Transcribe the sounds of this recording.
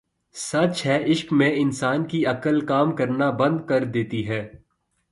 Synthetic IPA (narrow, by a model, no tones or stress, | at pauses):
sɐt͡ʃɦɛɪʃkmẽɪnsaːnkiɐkəlkaːmkɐɾnabɐ̃nd̪kɐɾd̪eːt̪iɦɛː